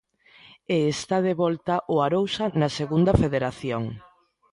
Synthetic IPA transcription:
eːst̪að̞eβɔlt̪ɐʔoaɾowsɐnɐseɣund̪ɐfeðeɾaθjoŋ

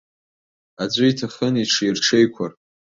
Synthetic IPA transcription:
ad͡ʒʷʼɨitʰaχəniʈ͡ʂʰirʈ͡ʂʰejkʷʰar

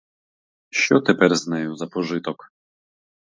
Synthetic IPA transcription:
ɕɔt̪ɛpɛɾznɛjɔ̃zapɔʐɨt̪ɔk

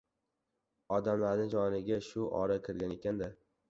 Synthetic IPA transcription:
ɒd̪amlaɾnɪd͡ʒɒnɪɡʲaʃʊʔɒ̰ɾakʲʰɪɾɡʲane̞kʲand̪ɪ

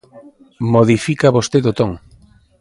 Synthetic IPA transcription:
moðifikaβost̪eðot̪oŋ

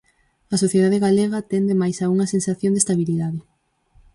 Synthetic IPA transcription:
ɐsoθjeðaðeɣaleɣɐt̪ɛnd̪emajsauŋɐsensaθjond̪est̪aβiliðaðe

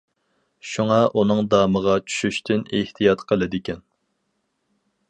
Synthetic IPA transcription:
ʃuŋɑʔunɨŋd̪ɑːməʁɑt͡ʃʰy̥ʃyʃt̪ʰɪneht̪ʰijɑt̪qʰəlˠɨd̪ɪkʲʰɛn

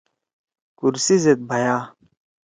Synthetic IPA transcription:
kuɾsizet̪̚bʱɐjaː

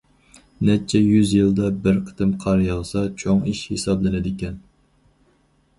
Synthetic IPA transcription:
nɛt͡ʃʰːɛjyzjɨlˠd̪ɑbɪɾqʰə̥t̪ʰɨmqʰɑɾjɑʁsɑt͡ʃʰoŋiʃhesɑblˠɨnɪd̪ɪkʲɛn

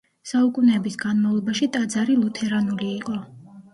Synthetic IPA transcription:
saukʼunɛːbisɡanmavlˠɔbaʃit̪ʼad̪zaɾilˠut̪ʰɛɾanuliːqʼɔ

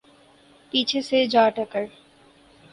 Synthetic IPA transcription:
pit͡ɕʰesed͡ʑaːʈəkəɾ

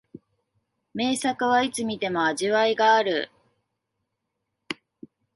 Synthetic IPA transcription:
me̞ːsakɯ̟βait͡sɨmʲit̪e̞mo̞aʑiβaiɡaːɾɯ̟

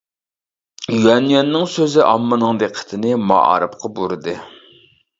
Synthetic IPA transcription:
jɛnjɑnːɨŋsøzɪʔɑmːɨnɨŋd̪eqʰə̥t̪ʰɪnɪmɑ̰ɑ̰ɾɨpqʰɑbuɾɨd̪ɨ

